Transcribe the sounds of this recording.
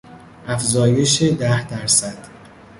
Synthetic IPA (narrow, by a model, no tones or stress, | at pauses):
ʔæfzɒːje̞ʃe̞d̪æhd̪æɾsæd̪̥